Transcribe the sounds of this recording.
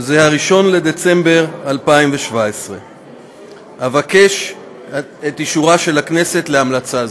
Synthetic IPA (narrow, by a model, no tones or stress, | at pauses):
zehaʁiʃo̞nle̞d̪e̞t͡se̞mbe̞ʁalpaimveʃvaesʁe̞ | havake̞ʃ | et̪iʃuʁaʃe̞lakne̞se̞t̪leamlat͡sa